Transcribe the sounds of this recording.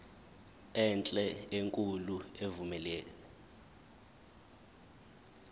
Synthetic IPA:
ɛnt͡ɬʼɛeŋkʼuluevumɛleːlɛ

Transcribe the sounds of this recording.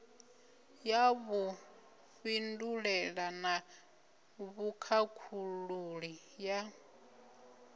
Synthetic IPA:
jaβu | ɸinduɺɛɺana | βukʰakʰuluɺi | ja

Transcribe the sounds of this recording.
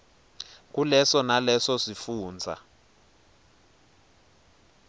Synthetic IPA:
k̬ulɛsɔnalɛsɔsifuːnd͡zʱa̰

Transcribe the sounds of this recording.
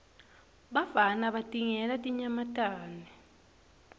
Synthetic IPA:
ɓavanaɓatʼiŋɛlatʼiɲamatʼaːnɛ

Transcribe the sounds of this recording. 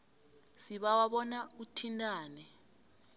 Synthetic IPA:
siɓawaɓɔnautʰintʼaːnɛ

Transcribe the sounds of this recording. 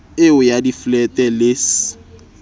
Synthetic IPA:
ɪʊjadiflɛtʼɛlɪs

